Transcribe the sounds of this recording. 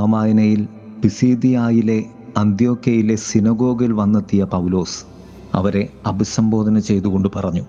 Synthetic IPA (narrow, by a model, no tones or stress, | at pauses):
amaːjɐnɐjil | pisiːd̪ijaːjile̞ | ɐnd̪jo̞ːkjɐjile̞sinɐɡo̞ːɡilʋɐnːɐt̪ːijɐpɐwlo̞ːs | ɐ̰ʋɐɾe̞ɐbʱisɐmbo̞ːd̪ʱɐnɐt͡ɕe̞jt̪uɣo̞ɳɖɨpɐrɐɲːu